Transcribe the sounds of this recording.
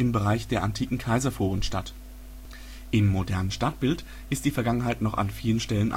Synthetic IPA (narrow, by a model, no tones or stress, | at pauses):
ɪmbəʁaɪçd̥eːɐʔantʰiːkŋ̩kʰaɪzɐfoːʊnʃta̰t | ʔɪmːodɛɐnənʃtat̚b̥ɪlt | ʔɪst̚d̥iːfɛɐɡaŋənɦaɪtnɔχa̰nfiːlənʃtɛlənʔa̰